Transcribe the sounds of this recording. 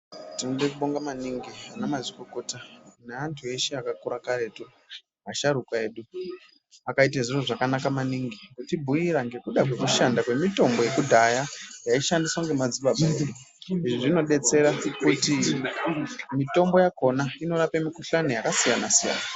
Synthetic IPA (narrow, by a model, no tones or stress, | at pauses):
tinoɗekuɓo̞ŋɡamaniŋɡianamazikoko̞taneantʰue̞ʃeakakuɾakaɾe̞tu | aʃaɾukae̞ːɗu | akait̬aʐiroʐakanakamaniŋɡiɡtibʱujiɾaŋɡe̞kuɗakwekuʃandakwe̞mito̞mbo̞je̞kudʱajajaiʃandiswaŋɡe̞mad͡ziɓabʱa | iʐiʐino̞ɗe̞t͡se̞ɾakuti | mito̞mbo̞jako̞naino̞ɾapemikuɬanojakasijanasija̰na